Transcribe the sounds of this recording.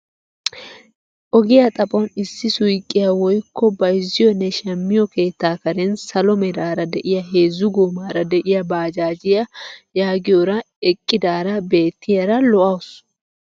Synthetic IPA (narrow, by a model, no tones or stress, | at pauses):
ʔɔɡɪjɐt̪ʼɐpʼɔnɪsːɪsʊjkʼːɪjɐwɔjkːɔbɐjɪzɪjɔnɛʃɐmːɪjɔke̞ːt̪ːaːkɐɾɛnsɐlɔmɛd̪aːɾɐd̪ɛʔɪjɐɦe̞ːzːʊɡoːmaːɾɐd̪ɛʔɪjɐbaːd͡ʒaːd͡ʒɪjɐjaːɡɪjɔɾɐ | ɛkʼːɪd̪aːɾɐbe̞ːt̪ːɪjɐɾɐlɔʔɐws